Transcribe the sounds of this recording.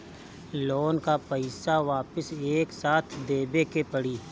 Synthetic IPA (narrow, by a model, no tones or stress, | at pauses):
loːnkapəɪsaʋaːpəseːksaːt̪ʰd̪eːbekepɐɽiː